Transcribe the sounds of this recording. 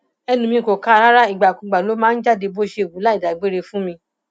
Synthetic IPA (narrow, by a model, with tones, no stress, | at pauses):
ɛ˧nũ˧mĩ˧˨ko˨kã˦˧ɾa˦ɾa˦i˨ɡ͡ba˨kũ˨ɡ͡ba˨lo˨˦mãː˦n̩˦d͡ʒa˦˨de˧bo˦ʃe˧˨wu˨˦la˦i˦˨da˨ɡ͡be˦ɾe˧fũ˦mĩ˧